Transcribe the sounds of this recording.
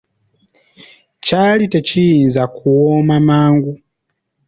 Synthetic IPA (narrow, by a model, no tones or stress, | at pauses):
calitecijiːnzakʰuwomamaːŋɡu